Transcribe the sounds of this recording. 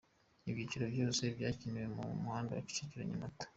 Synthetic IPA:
ibɟiciɾobjoːsebjaːciniwe̞mṵmuhaːnda̰wafi̥t͡ʃiciɾa̰ɲamatḁ

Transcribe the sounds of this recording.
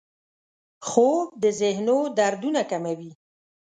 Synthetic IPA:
xob̚d̪əzɪhnod̪aɾd̪unakamawi

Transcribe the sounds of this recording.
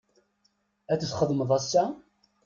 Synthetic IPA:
æt͡səθχəðˤməðˤæsːæ

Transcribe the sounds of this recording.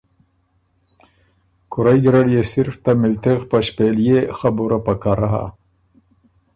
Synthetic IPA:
kʊɾajɡ̪ɾaɽjesiɾft̪amɪlt̪eɣpaɕpeljexabuɾapakaɾaɦa̰

